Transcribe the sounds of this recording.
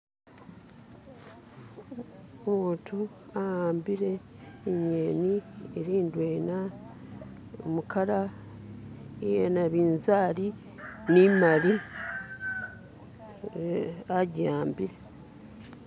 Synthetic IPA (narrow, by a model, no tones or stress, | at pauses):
omuːtʰu | ahaːmbiɾe̞ːɲeːnieɾiːndweːna | omukʰaɾa | ijenaβiːnzaːɾi | nimaɾi | aɟaːmbiɾe̞